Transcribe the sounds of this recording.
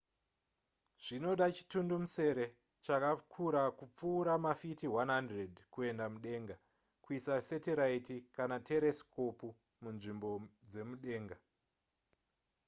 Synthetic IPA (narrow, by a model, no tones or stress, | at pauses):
ʐ̥ino̞ɗat͡ʃi̥tundumuse̞ɾe̞ | t͡ʃakakʰuɾakup͡fuːɾamafitiwanɦandredkue̞ndamuɗe̞ːŋɡa | kuisasetiɾaitikanate̞ɾeskopu | munʐimbo̞d͡ze̞muɗe̞ːŋɡa